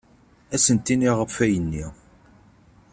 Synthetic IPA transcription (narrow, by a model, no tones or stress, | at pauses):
æsənt̪ːiniʁəfæjənːi